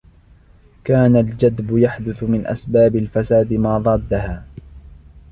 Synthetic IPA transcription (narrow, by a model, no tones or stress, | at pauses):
kaːnald͡ʒad̪bʊjaħd̪ʊθʊmɪnʔa̰sbaːbɪlfasaːd̪ɪmaːðˤɑːd̪ːahaː